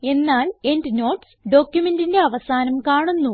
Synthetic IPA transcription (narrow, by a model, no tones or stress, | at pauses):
e̞nːaːle̞ndɨno̞ːʈsɖo̞ːkʲjume̞ndinde̞ɐʋɐsaːnɐmkaːɳunːu